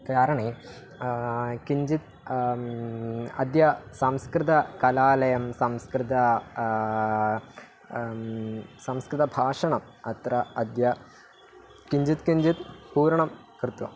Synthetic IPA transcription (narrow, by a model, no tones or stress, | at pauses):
kaːɾɐɳe | kiɲd͡ʑit̪̚ | ɐ̰d̪jɐsɐmskrɨt̪ɐkɐlaːlɐjɐmsɐmskrɨt̪ɐ | sɐmskɾɨðɐbʱaːʂɐɳɐm | ɐt̪ɾɐɐd̪jɐ | kiɲd͡ʑit̪kiɲd͡ʑit̪puːɾɐɳɐm | krɨt̪wɐ̰m